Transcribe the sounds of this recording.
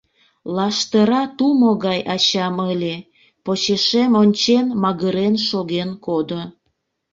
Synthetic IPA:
lɑʃt̪əɾɑt̪umoɣɑjʔɑt͡ɕɑməlʲe | pot͡ɕeʃemonʲt͡ɕenmɑɣəɾenʃoɣenkod̪o

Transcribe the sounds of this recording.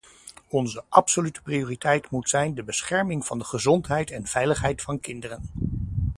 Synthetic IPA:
ɔnzəʔɑpsolytə̥prioːritɛjtmutsɛjndəbəsχɛɹmɪŋv̥ɑndəχəzɔntɦɛjtɛnv̥ɛjləχɦɛjtfɑnkɪndərən

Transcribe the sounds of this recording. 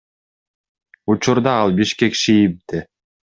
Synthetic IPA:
ut͡ʃuɾd̪ɑɑlˠbiʃkekʃijip̚d̪ɪ

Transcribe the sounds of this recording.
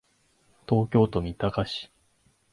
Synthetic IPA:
t̪o̞ːkʲo̞ːt̪o̞mʲit̪akaɕi̥

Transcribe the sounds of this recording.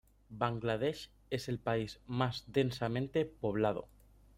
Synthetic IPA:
baŋɡlað̞eʃ | e̞se̞lpaizmazd̪e̞nsamẽ̞nt̪e̞po̞β̞lað̞o̰

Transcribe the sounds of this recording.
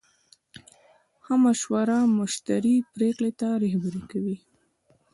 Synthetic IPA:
hamaʃwaɾamʊʃt̪aɾipɾeklet̪aɾahabaɾekawi

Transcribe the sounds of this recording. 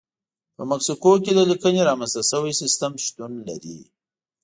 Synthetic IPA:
pəmaksikoked̪əlikəneɾɑmanst̪asəwajsɪst̪əmʃt̪unla̰ɾḭ

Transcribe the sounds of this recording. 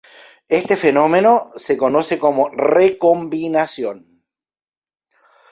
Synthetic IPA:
est̪e̞feno̞meno̞seko̞noseko̞morekombinasjon

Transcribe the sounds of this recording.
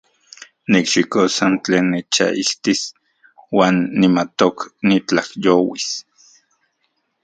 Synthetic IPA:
nikʃikosant͡ɬeːnːet͡ʃa̰ʔiht̪is | waːnːimat̪oknit͡ɬahjowis

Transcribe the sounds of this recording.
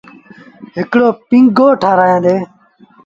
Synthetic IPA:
ɦɪkɽoːpɪ̃ŋɡoːʈʰaːɾaːjãːd̪eː

